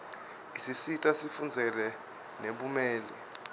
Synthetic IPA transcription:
isisitʼasifund͡zʱɛlɛ | neɓumɛːlɛ

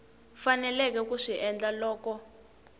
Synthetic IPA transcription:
fanɛlɛkɛkuʂiʔɛnd͡ɮalɔːkɔ

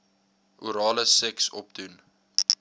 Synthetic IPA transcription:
ʔuɾɑːləsɛksɔp̚dun

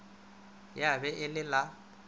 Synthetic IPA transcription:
jabɛʔɪlɪla

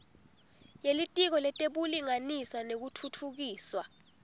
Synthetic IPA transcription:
jelitʼik̬ɔlɛtʼeɓuliŋaniswanek̬utʰutʰuk̬iːswa

